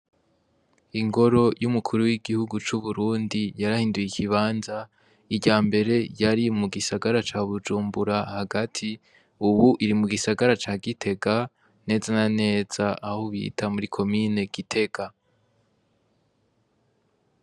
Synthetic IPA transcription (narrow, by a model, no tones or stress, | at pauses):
iŋɡo̞ɾo̞jumukʰuɾuwiɡihuɡut͡ʃuβuɾuːndijaɾahiːndujikʰiβaːnza | iɟaːmbe̞ɾe̞jaɾimuɡisaɡaɾat͡ʃaːβud͡ʒuːmbuɾahaɡatʰi | uβuʔiɾimuɡisaɡaɾat͡ʃaːɡitʰe̞ɡa | ne̞ːzanane̞ːz̥aʔahoβḭːtʰamuɾikʰo̞mine̞ɡitʰe̞ɡa